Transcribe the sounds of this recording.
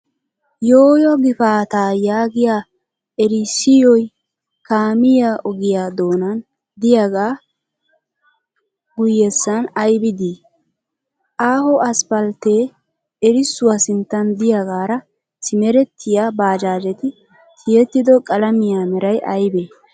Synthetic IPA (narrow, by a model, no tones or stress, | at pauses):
joːjɔɡɪfaːt̪aːjaːɡɪjaː | ɛɾɪsɪjɔj | kaːmɪjaːʔɔɡɪjaːd̪o̞ːnɐn | d̪ɪjaɡaː | ɡʊjːɛsːɐnɐjbɪd̪iː | ʔaːhɔʔɐspɐlt̪eː | ɛɾɪsːʊwaːsɪnt̪ːɐnd̪ɪjaɡaːɾɐ | sɪmɛɾɛt̪ʰːɪjaːbaːd͡ʒaːd͡ʒɛt̪ɪ | t̪ʰɪjɛt̪ːɪd̪ɔkʼɐlɐmɪjaːmɛɾɐjʔɐjbeː